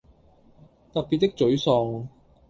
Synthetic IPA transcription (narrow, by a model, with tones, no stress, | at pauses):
t̪ɐ˨k̚pi˨t̪ːɪ˥k̚t͡sɵ˨˥ɥsɔː˨˧ŋ